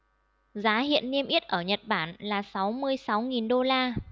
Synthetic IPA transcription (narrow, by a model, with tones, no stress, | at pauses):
zaː˨˦ɦḭ˧˨ənːi˧əmʔi˦˥t̚ʔəː˧˩ɲə˨˩t̚ɓaː˧˩nlaː˨˩sa˨˦wmɨ˧əjsa˨˦wŋi˨˩nɗo˧laː˧